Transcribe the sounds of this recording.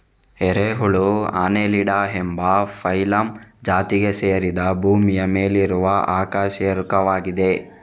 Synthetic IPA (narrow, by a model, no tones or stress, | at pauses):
eɾeːɦuɭua̰ːneːliɽaembɐpʰɐjlɐmd͡ʒaːt̪iɡe̞seːɐɾid̪ɐbʱuːmijɐme̞ːliɾuʋɐʔaːkaːʃjɐɾukɐʋaːɡid̪e̞